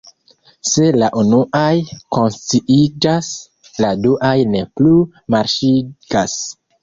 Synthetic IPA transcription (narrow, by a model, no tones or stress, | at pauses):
se̞laʔunuʔajko̞nstiʔid͡ʒas | laduʔajne̞plu | maɾʃiɡ̥as